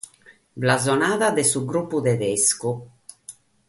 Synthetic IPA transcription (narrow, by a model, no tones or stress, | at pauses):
blazɔnaːðaðɛsuɡɾupːud̪ɛðesku